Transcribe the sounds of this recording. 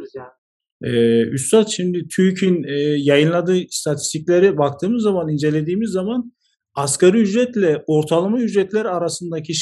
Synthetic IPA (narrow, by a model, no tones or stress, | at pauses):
ɛyst̪at̪ʃimd̪ɪt̪ʰyjcʰinɛjajɯnlˠad̪ɯːst̪ʰat̪ʰi̥st̪ʰicʲlʲeɾɛbak̚t̪ʰɯːmɯzːamanind͡ʒe̞lʲe̞d̪iːmizːaman | askaɾɯyd͡ʒɾɛt̪lʲɛo̞ɾt̪ʰalˠamayd͡ʒɾɛt̪lʲæɾaɾasɯnd̪acʰiʃ